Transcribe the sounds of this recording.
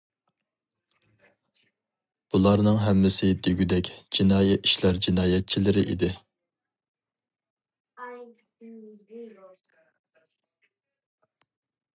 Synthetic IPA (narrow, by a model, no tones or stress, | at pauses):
b̥ulˠɑɾnɨŋɦɛmːɪsɪd̪eɡʲyd̪ɛkʲd͡ʒinɑːjɛt̪i̥ʃlæɾd͡ʒinɑːjɛt̪̚t͡ʃʰilɪɾɪʔḭd̪ɪ